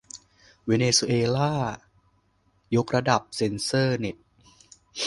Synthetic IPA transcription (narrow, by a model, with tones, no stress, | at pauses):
weː˧neː˧su˧ʔeː˧laː˥˩ | jo˦˥k̚ɾa˧da˨˩p̚se˧nsɤː˥˩ne˨˩t̪̚